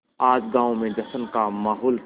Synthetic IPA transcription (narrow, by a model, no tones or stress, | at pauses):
aːd͡ʒɡãːõmẽd͡ʒɐsənkamaːɦɔːl